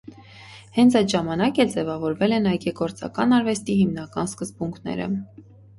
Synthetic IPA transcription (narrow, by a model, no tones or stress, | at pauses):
hɛnt͡sʰɑjt̪ʒɑmɑnɑkɛld͡zɛvɑvɔɾvɛlɛnɑjkɛkɔɾt͡sɑ̰kɑnɑɾvɛst̪iɦimnɑkɑnskəzbuŋkʰnɛ̰ɾə̰